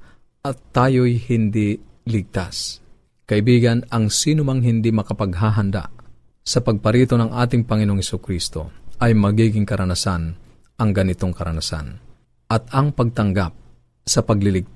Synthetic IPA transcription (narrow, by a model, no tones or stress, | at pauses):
ʔɐt̪ːaːjojhɪnd̪ɪlɪɡ̚t̪as | kɐʔɪbiːɡɐnɐŋsiːnʊmaŋɦɪnd̪ɪmɐkɐpɐɡɦaːɦɐnd̪a̰ʔ | sɐpɐɡ̚pɐɾiːt̪onɐŋʔaːt̪ɪŋpɐŋɪnoʔoŋhɛsʊkɾist̪o̞̰ʔɐjmɐɡiːɡɪŋkɐɾɐnasan | ʔɐŋɡɐnɪt̪oŋkɐɾɐnasa̰n | ʔɐt̪̚ɐŋpɐɡ̚t̪ɐŋɡap̚ | sɐpɐɡ̚lɪlɪɡ̚